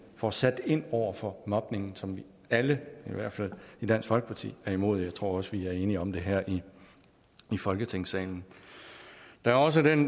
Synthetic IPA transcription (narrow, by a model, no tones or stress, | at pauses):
fɒsæd̥e̝n̰ɒʊ̰ɐfɒ̽mɒ̽b̥ne̝ŋn̩sɒ̽mʋi | æləiʋæɐ̰d̥fæl̰id̥æn̰sɡ̥fɒ̽lɡ̥ə̥pʰɑ̈t͡sʰḭːæɐimo̝ð̰ˠjɑ̈ɪt͡sʰʁo̝̰ɐ̰ɒ̽səʋiæɐe̝ːniɒ̽md̥e̝ɦæɐ̰ʔi | ifɒ̽lɡ̥ət͡sʰeŋ̰sɛ̰ːln̩ | d̥ɑ̈æɐɒ̽s̬əd̥en